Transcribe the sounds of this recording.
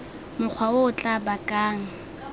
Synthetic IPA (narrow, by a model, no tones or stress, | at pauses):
mʊk͡xʰwaʊːt͡ɬʼabakʼaːŋ̩